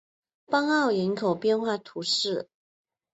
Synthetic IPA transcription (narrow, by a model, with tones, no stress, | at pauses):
pɑ˥ŋɑ˥˩ʊi˧˥nkʰo˨˩ʊpjɛ˥˧nxwa˥˩t̪ʰu˧˥ʂɻ̩˥˩